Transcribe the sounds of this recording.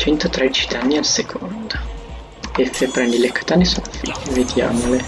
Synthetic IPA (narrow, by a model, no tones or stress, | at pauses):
t͡ʃɛnt̪at̪ɾed̪it͡ʃid̪anːialsekʰond̪a | esepːɾɛnd̪ilekḁt̪anesonofḭeved̪ja̰ːmole